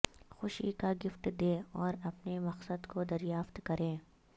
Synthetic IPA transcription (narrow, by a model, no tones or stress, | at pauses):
xʊʃḭkaɡɪfʈ̪d̪eːɔːɾɐpnemɐqsəd̪kod̪ɐɾjaːft̪kɐɾẽː